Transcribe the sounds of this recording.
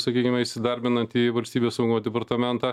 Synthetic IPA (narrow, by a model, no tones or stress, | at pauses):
sɐkʲiːkʲɪmʲɛɪʃʲsʲɪd̪ɐɾʲbʲɪnɐnt̪iːʋɐlʲsʲt̪ʲiːbʲeːsɐʊɡmoːd̪ʲɛpɐɾt̪ɐmʲɛnt̪ɑː